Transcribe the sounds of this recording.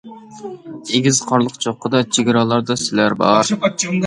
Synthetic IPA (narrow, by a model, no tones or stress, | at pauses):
eɡʲizqʰɑɾlˠəqt͡ʃʰoqːəd̪ɑt͡ʃʰeɡʲɾɑlˠɑɾd̪ɑsɪlæɾbɑɾ